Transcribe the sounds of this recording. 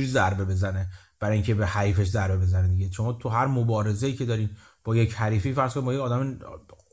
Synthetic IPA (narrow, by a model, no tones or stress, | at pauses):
uɾizæɾbe̞be̞zæne | b̥æɾɒːjiːŋcʲʰe̞behæɾiːfeʃ̬zæɾbe̞be̞zæned̪iɟeʃo̞mɒːt̪ʰuɦæɾmobɒːɾe̞zejiːcʰe̞d̪ɒːɾiːn | b̥ɒːjechæɾiːfeːfæɾz̥kʰonimbɒːjeɒːd̪æme